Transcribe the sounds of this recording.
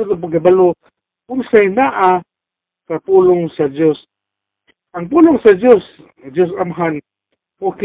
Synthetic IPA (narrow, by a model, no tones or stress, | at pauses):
at̪̬ʊp̬aɡ̚kabalo | ʊnsajnaʔa | kapulʊŋsad͡ʒos | ʔaŋp̬ulʊŋsad͡ʒos | d͡ʒos̬amɦan | pʊk